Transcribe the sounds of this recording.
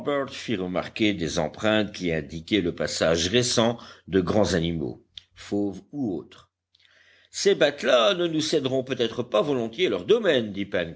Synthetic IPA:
bɛʁt̪fiʁəma̰ʁkʲed̪ezɑ̰̃pχɛ̃t̪kʲiɛ̃d̪ikʲɛləpasaʒʁesɑ̃d̪əɡʁɑ̃zanimo̰ | fovuoːt̪χ | sebat̪lanənusɛd̪ʁɔ̃pøt̪ɛt̪χəpavɔlɔ̃t̪jelœʁd̪ɔmɛnd̪ipɛn

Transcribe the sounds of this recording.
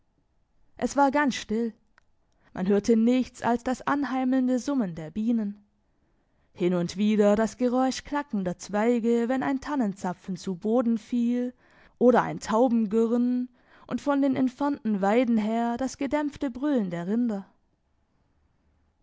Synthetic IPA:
ʔɛsv̥aːɐɡansʃtɪl | mʔa̰nɦøːɐtʰənɪçt͡sa̰lsd̥asʔanɦaɪml̩ndəzʊməndeːɐbiːnən | hɪnʊntv̥iːdɐdasɡ̥əʁɔʏʃkl̥akn̩dɐt͡sv̥aɪɡəvɛnaɪntʰanənt͡sap͡fn̩t͡suboːdn̩fiːl | ʔoːɾɐʔa̰ɪntʰaʊbm̩ɡʏʁən | ʔʊntfɔndeːnɪnfɛɐntn̩vaɪdn̩ɦeːɐdasɡ̥ədɛmftəbʁʏlən̩deːɐʁɪndɐ

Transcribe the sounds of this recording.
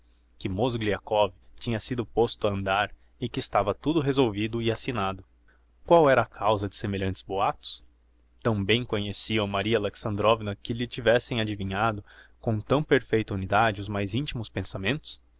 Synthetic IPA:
kɪmozɡliakɔvɪt͡ʃĩɲɐsid̪ʊpost̪ʊɐɐ̃nd̪aɾ | ɪkɪːst̪avɐt̪ud̪ʊɦezowvid̪ʊɪasinad̪ʊ | kwawɛɾɐːkʰawzɐd͡ʒɪ̥semeʎɐ̃nt͡ʃɪ̥zboat̪ʊ̥s | t̪ɐ̃w̃bẽj̃kõɲesiɐ̃wmaɾiɐleksɐ̃nd̪ɾɔvinɐkɪʎɪt͡ʃivɛsẽj̃ad͡ʒivĩɲad̪ʊkõt̪ɐ̃w̃peɾfejt̪ɐunid̪ad͡ʒɪʊzmajzĩnt͡ʃimʊspẽsamẽnt̪ʊ̥s

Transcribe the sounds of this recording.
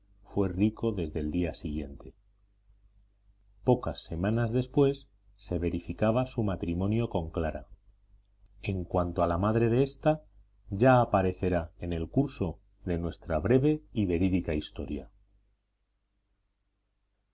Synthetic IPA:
fwe̞riko̞ðe̞zðe̞ld̪iasiɣ̞je̞̰nt̪e̞ | po̞kasːe̞mãnazðe̞spwe̞sː | e̞βe̞ɾifikaβ̞asumat̪ɾimõnjo̞ko̞ŋklaɾa̰ | e̞ŋkwant̪oalamaðɾe̞ðe̞est̪a | ʝaːpaɾe̞θe̞ɾaene̞lkuɾso̞ | ðe̞nwe̞st̪ɾaβɾe̞βe̞iβe̞ɾiðikaist̪o̞̰ɾja̰

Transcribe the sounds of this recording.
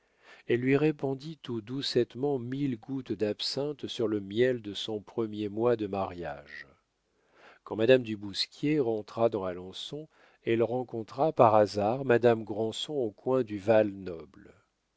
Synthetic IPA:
ɛlːɥiʁepɔ̃d̪it̪ud̪usɛt̪mɑ̃milɡut̪d̪apsɛ̃t̪syʁləmjɛld̪əsɔ̃pχəmjemwad̪əmaʁja̰ʒ | kɑ̃mad̪amd̪ybuskʲjeʁɑ̃t̪χad̪ɑ̃alɔ̃sɔ̃ | ɛlʁɑ̃kɔ̃t̪χapaʁazaʁmad̪amɡʁɑ̃sɔ̃okwɛ̃d̪yvalnɔbl

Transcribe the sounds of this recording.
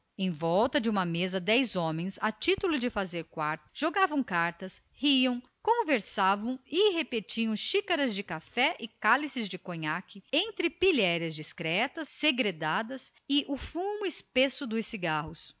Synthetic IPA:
ẽj̃vɔwt̪ɐd͡ʒɪũmɐmezɐd̪ɛjzõmẽj̃sɐt͡ʃit̪ulʊd͡ʒɪfazeɾkwaɾt̪ʊ̥ʒ̥oɡavɐ̃w̃kaɾt̪ɐs | hiɐ̃w̃ | kõveɾsavɐ̃w̃ɪɦepet͡ʃĩɐ̃w̃ʃikɐɾɐzd͡ʒɪkafɛʔɪkalisɪzd͡ʒɪkõɲakɪẽnt̪ɾɪpiʎɛɾɐzd͡ʒiskɾɛt̪ɐsːeɡɾed̪ad̪ɐs | ɪʔʊfũmʊɪspesʊd̪ʊsːiɡahʊs

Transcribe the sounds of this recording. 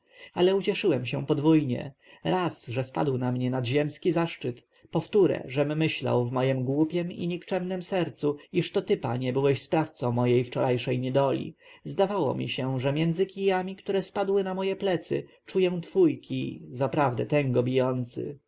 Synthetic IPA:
alɛut͡ɕɛʂɘwɛmɕɛ̃pɔd̪vujɲɛ̰ | ɾasʐɛspa̰d̪wnamɲɛnad̪ʑɛmskʲizaʂt͡ʂɘt̪ | pɔft̪uɾɛ̰ʐɛmːɘɕla̰wvmɔjɛmɡwupʲjɛmḭɲikt͡ʂɛmnɛmsɛɾt̪suiʂt̪ɔt̪ɘpa̰ɲɛbɘwɛɕspɾaft̪sɔ̃w̃mɔjejft͡ʂɔɾajʂɛjɲɛd̪ɔlʲḭ | zd̪avawɔ̰mʲḭɕɛʐɛmʲjɛnd̪zɘkʲijamʲikt̪uɾɛspad̪wɘnamɔjɛplɛt̪sɘ̰ | t͡ʂujɛ̃t̪fujkʲʰizapɾavd̪ɛt̪ɛŋɡɔbʲijɔnt̪sɘ̰

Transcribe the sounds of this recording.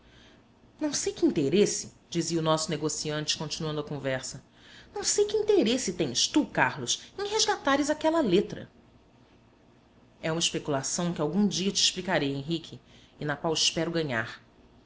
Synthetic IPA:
nɐ̃w̃sejkɪĩnt̪eɾesɪ | d͡ʒiziʊnɔsʊneɡosiɐ̃nt͡ʃɪ̥kõnt͡ʃinuɐ̃nd̪ʊɐkõvɛɾsɐ | nɐ̃w̃sejkɪĩnt̪eɾesɪt̪ẽj̃ʃt̪ukahlʊsẽj̃ɦeʒɡat̪aɾɪzakɛlɐlet̪ɾɐ̰ | ɛũmɐɪʃpekulasɐ̃w̃kɪawɡũd͡ʒiɐt͡ʃɪːʃplikaɾejẽɦikʰɪː | nɐkwawɪʃpɛɾʊɡɐ̃ɲa̰χ

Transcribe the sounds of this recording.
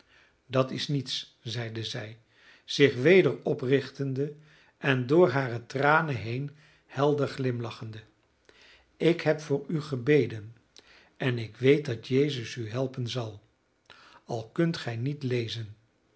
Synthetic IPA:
dɑtɪsnits | zɛjdəzɛj | z̥ɪχʋejdəɹɔprɪχtəndə | ʔɛndʊːɹɦaːrətraːnəɦejn | hɛlˠdəɹχlɪmlɑχəndə | ɪkɦɛpfʊːɹyχəbejdən | ʔɛnɪkʋejt̚dɑtjejzəsyɦɛlˠpənzɑlˠ | ɑlˠkɵntχɛjnitlejzən

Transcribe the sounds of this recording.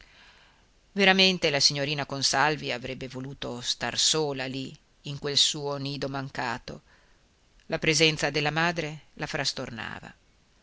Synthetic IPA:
veɾament̪elasiɲːoɾiːnakonsalviavɾɛbːevoluːt̪ost̪a̰rsoːlaliː | ŋkwelsuːoniːd̪omaŋka̰ːt̪o̰ | lapɾezɛnt̪sad̪elːamaːd̪ɾelafɾast̪orna̰ːva̰

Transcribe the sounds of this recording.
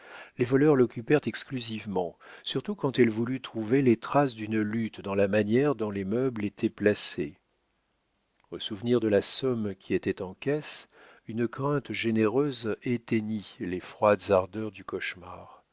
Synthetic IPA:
levɔlœʁlɔkʲypɛʁt̪ɛksklyzivmɑ̃syʁt̪ukɑ̃t̪ɛlvulyt̪χuvelet̪χasd̪ynlyt̪d̪ɑ̃lamanjɛʁd̪ɔ̃lemœblet̪ʰɛplasḛ | osuvniʁd̪əlasɔmkʲiet̪ɛt̪ɑ̃kʲɛs | ynəkχɛ̃t̪ʒeneʁøzet̪eɲilefχwad̪zaʁd̪œʁd̪ykɔʃma̰ːʁ

